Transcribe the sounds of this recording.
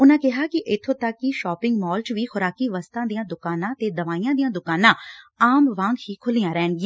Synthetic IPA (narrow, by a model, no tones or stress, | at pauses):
ʊnãːkɪɦaːkɪʔɪt̪ʰːoːt̪əkːɪʃɔːpɪ̃ŋɡmɔːlt͡ʃʋiːxʊɾaːkiːʋəst̪ãːd̪ijãːd̪ʊkaːnãːt̪eːd̪əʋaːijãːd̪ijãːd̪ʊkaːnãːaːmʋãːŋɡɦiːkʰʊliːjãːɾɛːnɡɪãː